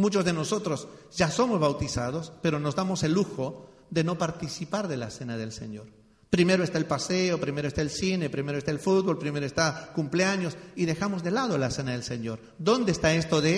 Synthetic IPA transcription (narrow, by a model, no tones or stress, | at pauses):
mut͡ʃo̞zðe̞no̞so̞t̪ɾo̞sʝaso̞mozβawt̪isað̞o̞spe̞ɾo̞no̞zd̪amo̞se̞luxo̞ | ðe̞no̞paɾt̪isipaɾðe̞lase̞naðe̞lse̞̰ɲo̞ɾ | pɾime̞ɾo̞est̪aelpaseopɾime̞ɾoest̪aelsine̞pɾime̞ɾoest̪aelfut̪̚βo̞lpɾime̞ɾoest̪akumpleaɲo̞siðe̞xamo̞zðe̞lað̞olase̞naðe̞lseɲo̞ɾ | d̪o̞nd̪eːst̪ae̞st̪o̞ðe